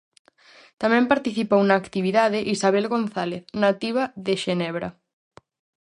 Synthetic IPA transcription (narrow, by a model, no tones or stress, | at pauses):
t̪amɛ̃mpaɾt̪iθipownaːkt̪iβiðaðeʔisaβ̞elɣonθaleθnat̪iβaðeʃenɛβɾa̰